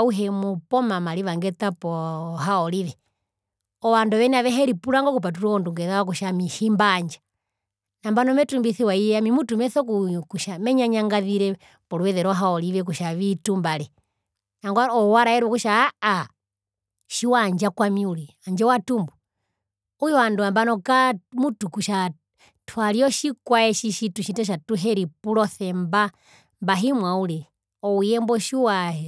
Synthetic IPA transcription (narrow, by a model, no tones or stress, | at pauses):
uɦɛmupɔmamaliʋaŋɡɛt̪apɔɦaɔliʋɛ | ɔwandɔʋɛniaʋɛɦɛɾipuɾaŋɡɔkup̬at̬uɾɔɔnduŋɡɛðawak̬uʃamiʃimbaːɲd͡ʒḁ | nambanɔmɛtumbiθiwaijɛamimutumɛθɔkukuʃamɛɲaɲaŋɡaðiɾɛ | pɔluwɛðɛɾɔɦaɔliʋɛk̬uʃaʋitumbalɛ | aŋɡwaɔwaɾaɛɾɛkuʃaː | ʃiwaɲd͡ʒakwamiulɛaɲd͡ʒɛwatumbu | ujɔanduambanɔkamutukuʃa | tʰwaliɔʃikwaɛʃiʃituʃitaʃ̬atuɦɛɾipulɔθɛmba | mbaɦimwaulɛ | ɔujɛmbɔʃiwahɛ